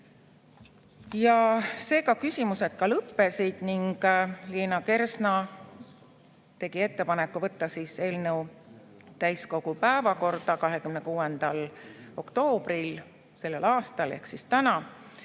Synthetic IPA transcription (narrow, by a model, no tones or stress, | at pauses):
jɑse̞ːkɑkysimuse̞t̪̚kɑlɤpːe̞sid̪̥niŋɡ̥liːnɑke̞rsnɑ | t̪e̞ɡ̥ie̞t̪ːe̞pɑnekːˑuvɤt̪ːɑsise̞ːlnew | t̪æjsko̞ɡ̥upæevɑko̞rd̪ɑkɑɦe̞kymnekuːend̪̥ɑlo̞kt̪o̞ːb̥ril | se̞lːe̞lɑːst̪ɑlehksist̪ænɑ